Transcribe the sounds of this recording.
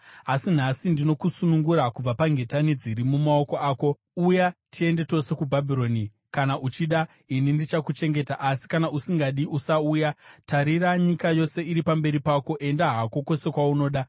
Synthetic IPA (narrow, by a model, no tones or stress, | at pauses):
asin̤asindino̞kusunuŋɡuɾakub͡vapaŋɡe̞tanid͡ziɾimumao̞ko̞aːko̞ | ujatʰie̞nde̞to̞se̞kubʱabʱiɾo̞ːni | kanaʔut͡ʃiɗa | inindit͡ʃakut͡ʃe̞ŋɡe̞taʔasi̥kanaʔusiŋɡaɗiʔusaujataɾiraɲikajo̞se̞iɾipambe̞ɾipako̞ʔe̞ndaɦako̞ko̞se̞kwauno̞ːɗa